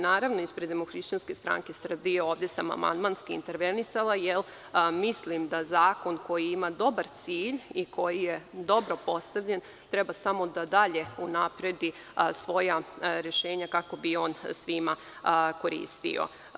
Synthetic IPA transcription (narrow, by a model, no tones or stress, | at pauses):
naːɾaʋno̞ispɾed̪emoxɾiʃt͡ɕanske̞st̪ɾa̰ŋkesr̩bijeo̞ːʋd̪je̞sama̰ma̰nd̪manskiint̪eɾʋe̞nisalˠajel | mislimd̪azaːko̞nko̞jiimad̪o̞baɾt̪siːʎikʰo̞jije̞d̪o̞bɾo̞po̞st̪aʋʎe̞n | t̪ɾebasamo̞d̪ad̪aʎe̞unapɾe̞d̪i | sʋo̞jaɾe̞ʃeːɲakako̞bio̞ːnsʋima | ko̞ɾḭːst̪ḭo̰